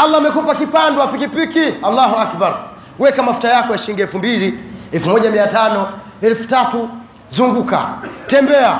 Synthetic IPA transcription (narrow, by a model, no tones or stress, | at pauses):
alːaamɛkupakipandɔapikipikialːahuakbaɾ | wɛkamafu̥tajakɔjaʃiliŋɡiɛlfumbiliɛlfumɔʄamiatanɔ | ɛlfu̥tatu | zuŋɡuka̰tɛmbɛa